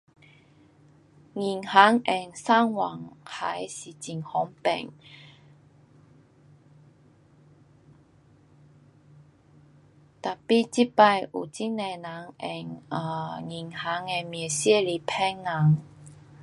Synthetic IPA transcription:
ŋi˨˩nha˨˥ŋʔɛ˨˩ŋsaː˥ŋwa˨˩ŋha˨˧˥jsi˨˩t͡si˨˩ŋhɔ˨˧˥ŋpɛ̰˨˩ŋ | t̪a˨˩pi˥t͡si˥pa˧jʔṵ˨˩t͡si˥nɛ˧na˨˥ŋɛ̰˨˩ŋa˧˩ŋi˨˩nha˨˥ŋɛ˧mi˨˩əsi˥li˨pʰɛ˥ŋna˨˥ŋ

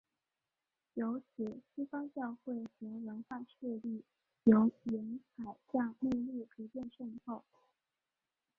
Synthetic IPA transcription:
jo˧˥ʊt͡ɕʰi˨˩ɕi˥fɑ˥ŋt͡ɕjɑ˥˧ʊxwe˥˩ɪt͡ɕɤ˧˥lə˧˥ŋxa˥˧ʂʰɛ˥˧li˥˩ | jo˧˥ʊi˧˥ŋxa˨˩ɪɕjɑ˥˧ŋmu˥˧li˥˩pʰu˧˥pjɛ˥˧nʂə˥˧ŋxo˥˩ʊ

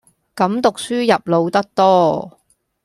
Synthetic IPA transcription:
kɐ˨˥mt̪ʊ˨k̚syː˥jɐ˨p̚lo˨˧wt̪ɐ˥k̚t̪ɔː˥

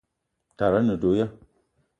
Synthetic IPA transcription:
ta˨ɾa˦nɨ˨do˨˦ja˦

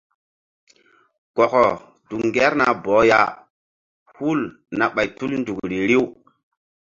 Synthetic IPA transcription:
ɡ̥ɔ˨kɔ˨ | d̥u˨kŋɡe˦ɾna˨bɔ˨˦ja̰˨ | hu˦l | na˨ɓa˨jtu˦lndu˨kɾi˨ɾi˦w

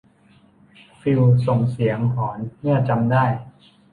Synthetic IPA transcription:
fi˧wso˨˩ŋsi˩˦əŋɦɔː˩˦nːɯ˥˩t͡ɕa˧mdaː˥˩j

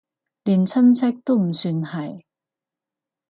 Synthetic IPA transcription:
liː˨˩nt͡sʰɐ˥nt͡sʰɛ˥k̚t̪o˥wm̩˨˩syː˧nhɐ˨˩j

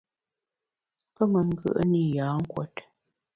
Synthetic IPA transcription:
pə˦mə˨ŋ˦ɡə̰˦˨ʔə˦ni˦˨jaː˨˦ŋ̩˦kwɛ˨t

